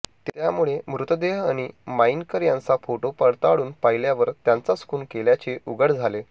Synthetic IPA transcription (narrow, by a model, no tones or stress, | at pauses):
t̪jamuɭemɾut̪əd̪eɦaɽ̃imainkəɾjãnt͡safoʈopəɽt̪aɭuːnpaɦiljaʋəɾt̪jant͡saskuːnkeljat͡ɕeʔuɡəɽd͡zʱale